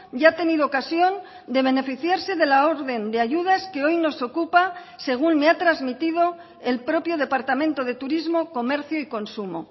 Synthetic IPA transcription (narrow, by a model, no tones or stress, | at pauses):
ɟ͡ʝat̪e̞niðookasjo̞n | d̪e̞β̞e̞ne̞fiθjaɾse̞ðe̞lao̞ɾðe̞nd̪eaʝuð̞aske̞o̞jno̞so̞kupa | se̞ɣ̞unme̞at̪ɾazmit̪ið̞o̞ | e̞lpɾo̞pjo̞ð̞e̞paɾt̪amẽnt̪o̞ðe̞t̪uɾizmo̞ko̞me̞ɾθjoiko̞nsumo̞̰